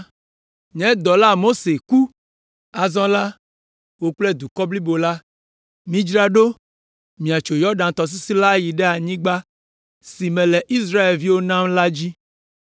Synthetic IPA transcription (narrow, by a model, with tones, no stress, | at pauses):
ɲɛ̃˨˦d̪ɔ˨la˦mo˦se˨ku˦ | a˨zɔ̃˦la˦ | wo˦k͡plɛ˦d̪u˨kɔ˦bli˦bo˨la˦ | mĩ˦d͡ʒɾa˦ɖo˦ | mĩ˨a˨t͡ʃo˨jɔ˦ɖã˨t̪ɔ˨s̬i˦si˦la˦ji˨ɖɛ˦a˨ɲĩ˦ɡ͡ba˦ | si˨mɛ̃˨lɛ˨ʔi˦s̬ɾa˦e˨lvi˦wo˦nã˦mla˦d͡ʑi˦